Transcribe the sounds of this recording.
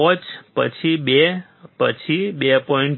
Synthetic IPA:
ɔt͡ʃpə̰t͡ʃʰibe | pət͡ʃʰibepɔiɳʈ

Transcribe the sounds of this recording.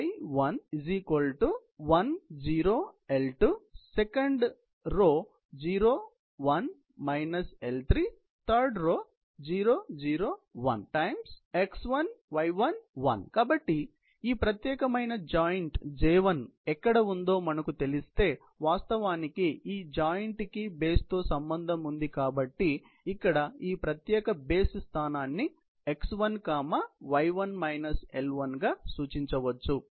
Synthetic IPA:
jʋɐniziːkʋɐlʈuʋɐnd͡ʒiːɾoːelʈusekɐɳɖ | ɾoː | d͡ʒiːɾoː | ʋɐn | mɐjnɐselt̪ʰɾiː | t̪ʰɐɾɖɾoː | d͡ʒiːɾoːd͡ʒiːɾoːʋɐ̰nʈɐjmseksʋɐnʋɐjʋɐnʋɐ̰nkaːbɐʈːi | iːpɾɐt̪jɛːkɐmɐjnɐd͡ʒaːjɐɳʈd͡ʒɛːʋɐnɛkːɐɽɐund̪o̞ːmɐnɐkut̪e̞list̪e̞ː | ʋaːst̪ɐʋaːnikiiːd͡ʒaːjɐɳʈkibe̞ːst̪o̞ːsɐmbɐnd̪ʱɐmund̪ikaːbɐʈːiː | kːɐɽɐiːpɾɐt̪jɛːkɐbe̞ːsust̪ʰaːnaːnːi | eksʋɐnkaːmɐʋɐjʋɐnmɐjnɐselʋɐnɡaːsuːt͡ʃiɲt͡ʃɐʋɐt͡ʃːu

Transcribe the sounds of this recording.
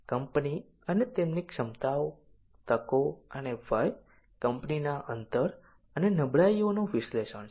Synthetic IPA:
kəmpni | ənet̪emnikʃəmt̪aw | t̪əkoəneʋəj | kəmpninaʔənt̪əɾ | ənenəbɭaionoʋisleʃən

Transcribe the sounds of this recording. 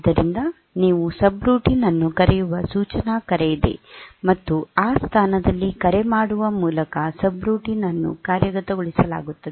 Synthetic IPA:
d̪ɐɾind̪ɐ | niːʋusɐbɾuːʈinɐnːukɐɾɛjuʋɐsuːt͡ʃɐnaːkɐɾejid̪e̞̰mɐt̪ːuaːst̪ʰaːnɐd̪ɐlːikɐɾemaːɽuʋɐmuːlɐkɐsɐbɾuːʈinɐnːṵkaːɾjɐɡɐt̪ɐɡoɭisɐla̰ːɡut̪ːɐd̪e

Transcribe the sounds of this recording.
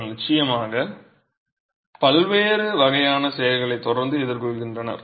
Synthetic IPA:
nɪt͡ʃːɐjɐmaːɣɐ | pɐlʋeːɾɯʋɐɣɐjaːnɐsɛjɐlɣɐɭɐɪt̪ːɔɽɐɾnd̪ɯɛðɪɾkɔɭɣɪndrɐnɐ̰ɾ

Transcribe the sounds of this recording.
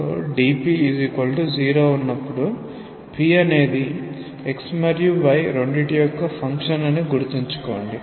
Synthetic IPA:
ɖiːpiːzikɐlʈud͡ʒiːɾoːunːɐpːuɽu | pʰiːɐne̞ːd̪i | eksmɐɾjuʋɐjɾo̞ɳɖeʈijɔkːɐpʰɐŋkʂɐnɐniɡuɾut̪iɲt͡ʃu̥koːɳɖi

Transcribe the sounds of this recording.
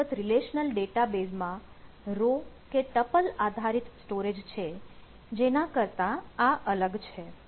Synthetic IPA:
ət̪ɾileʃnəlɖeʈabesmã | ɾo | keʈəpəlad̪ʱaɾit̪sʈoɾed͡ʒt͡ʃʰe | d͡ʒenãkəɾt̪aaʔələɡt͡ʃʰe

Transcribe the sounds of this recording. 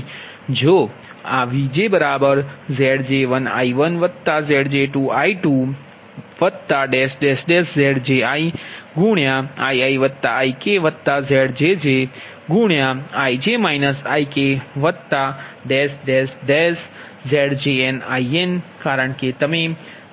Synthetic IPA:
d͡ʒo | aʋid͡ʒebəɾabəɾzeɽd͡ʒeʋəna̰iʋənʋət̪ːazeɽd͡ʒeʈuaiʈu | ʋət̪ːaɖesɖesɖeszeɽd͡ʒeaiɡũɳjaaiaiʋət̪ːaaikeʋət̪ːazeɽd͡ʒed͡ʒe | ɡũɳjaaid͡ʒemainəsaikeʋət̪ːaɖesɖesɖes | zɛɽd͡ʒeenaienkaɾəɳket̪əme

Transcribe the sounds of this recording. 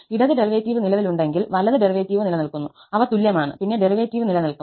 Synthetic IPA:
iɽɐðɨɖeriʋeːtːiːʋɨnilɐʋiluɳɖe̞ŋɡilʋɐlɐðɨɖeriʋeːtːiːʋɨnilɐnɐlkunːu | ɐʋɐt̪uljɐmaːɳɨ̰pinːe̞ɖeriʋeːtːiːʋɨnilɐnɐlku

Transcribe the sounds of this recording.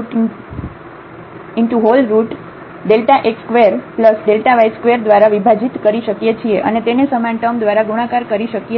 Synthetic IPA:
ɪɳʈuɦolɾuʈ | ɖelʈaʔekskʋeɾpləsɖelʈaʋajskʋeɾd̪ʋaɾaʋibʱad͡ʒit̪kəɾiʃəkjet͡ʃʰieʔənet̪enesəmãɳʈəmd̪ʋaɾaɡuɽ̃ãkaɾkəɾiʃəkje

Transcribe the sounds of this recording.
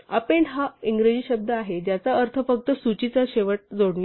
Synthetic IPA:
apeɳɦaiŋɡɾed͡ʑiːɕəb̚d̪ʱəaɦed͡ʑjat͡saəɾt̪ʰəfək̚t̪əsut͡ɕit͡saɕeʋəʈ̚d͡zoɽɳja

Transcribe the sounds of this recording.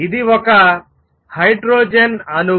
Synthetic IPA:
id̪iʋɔka | hajɖɾoːd͡ʒenɐnu

